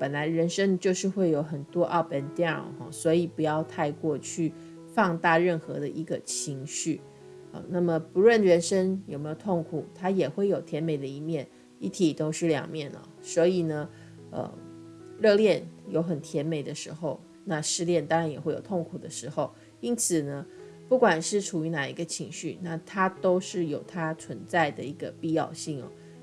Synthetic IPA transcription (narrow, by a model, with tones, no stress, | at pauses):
pə˨˩nla˧˥ɪɻə˧˥nʂə˥ŋt͡ɕjo˥˧ʊʂɻ̩˥˧xwe˥˩ɪjo˧˥ʊxə˨˩nt̪wɔ˥ʔɑ˥˩ʊpə˧˥nt̪jxɔ̰˥˩swɔ˧˥i˨˩pu˧˥jɑ˥˧ʊt̪ʰa˥˧ɪkwɔ˥˧t͡ɕʰy˥˩ | fɑ˥˧ŋt̪a˥˧ɻə˥˩nxɤ˧˥d̪ə˧ʔi˧˥ɡə˧t͡ɕʰi˧˥ŋɕy˥˩ | ə̰˨˩na˥˩mə˩pu˧˥ɻwə˥˩n˨ɻə˧˥nʂə˥ŋjo˨˩me˧˥jo˨˩ʊt̪ʰo˥˩ŋkʰu˨˩t̪ʰa˥jɛ˨˩xwe˥˩ɪjo˨˩ʊt̪ʰjɛ˧˥nme˨˩ɪd̪ə˦i˧˥mjɛ˥˩n | i˥˩t̪ʰi˨˩t̪o˥ʊʂɻ̩˥˩ljɑ̰˨˩ŋmjɛ˥˩nə̰˩swɔ˧˥i˨˩nə˩ | ə̰˨˩ | ɻɤ˥˧ljɛ˥˩njo˧˥ʊxə˨˩nt̪ʰjɛ˧˦˥nme˨˩ɪd̪ə˦ʂɻ̩˧˥xo˥˧ʊ | na˥˧ʂɻ̩˥˧ljɛ˥˩nt̪ɑ˥ŋɻa˧˥njɛ˨˩xwe˥˩jo˨˩ʊt̪ʰo˥˩ŋkʰu˨˩d̪ə˦ʂɻ̩˧˥xo˥˧ʊ | i˥nt͡s̩ʰ˨˩nə˦ | pu˥˩kwa˨˩nʂɻ̩˥˩ʈ͡ʂʰu˨˩y˧˥na˨˩ḭ˧˥ɡə˧t͡ɕʰi˧˥ŋɕy̰˥˩na˥˩t̪ʰa˥t̪o˥ʊʂɻ̩˥˩jo˨˩ʊt̪ʰa˥t͡sʰwə˧˦˥nt͡sa˥˩ɪd̪ə˩i˧˥ɡə˧pi˥˧jɑ̰˥˧ʊɕi˥˩ŋɔ̰˩